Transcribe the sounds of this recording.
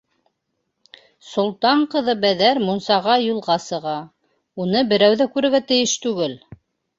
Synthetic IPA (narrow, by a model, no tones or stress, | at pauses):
sŏlˠt̪ɑɴqɤ̆ðɤbæðæɾmŭnsɑʁɑjulˠʁɑsɤ̆ʁɑ | unɤbɘ̆ɾæwðækʉɾɘ̆ɾɡæt̪ɘ̆jɘʃt̪ʉɡɘl